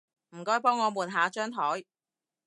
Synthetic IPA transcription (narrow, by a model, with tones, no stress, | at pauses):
m̩˨˩kɔː˥jpɔː˥ŋːɔː˨˧muː˨˧nɦaː˨˧˥t͡ʃœː˥ŋt̪ʰɔː˨˥j